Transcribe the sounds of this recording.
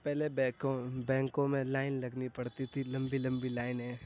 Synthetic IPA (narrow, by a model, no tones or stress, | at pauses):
pɛɦlebkobɛ̃ːŋkõmẽlaːɪnlɐɡnipɐɽt̪it̪ʰilɐ̃mbilɐ̃mbilaːɪnɦɛ̃ː